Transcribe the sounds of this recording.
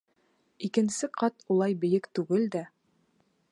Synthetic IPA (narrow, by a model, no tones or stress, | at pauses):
ikɘ̆nsɘqɑt̪ulˠɑjbɘ̆jɘkt̪ʉɡɘld̪æ